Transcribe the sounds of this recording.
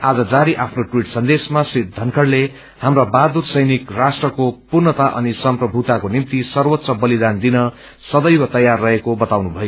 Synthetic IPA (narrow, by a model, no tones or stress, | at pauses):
ad͡zʌd͡zaɾiʔapʰnoʈwiʈsʌnd̪esmasrit̪̚d̪ʱʌnkʰʌɽle | hamrabad̪ursʌjnikrasʈrʌkopurnʌt̪aʔʌ̰nisʌmprʌbʱut̪akonimt̪isʌrwʌt̪ːsʌbʌlid̪and̪inʌ | sʌd̪ʌjwʌt̪ʌjarːʌɦekobʌt̪awnubʱʌjo